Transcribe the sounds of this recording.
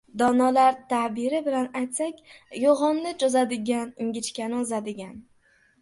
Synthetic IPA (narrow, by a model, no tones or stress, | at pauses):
d̪ɒnalaɾt̪ʰahbɪɾɪbɪlanajt̪sakʲjoʁɒnːɪd͡ʒɒzad̪ɪɡʲanɪŋɡʲɪt͡ʃkʲanɪʊzad̪ɪɡʲan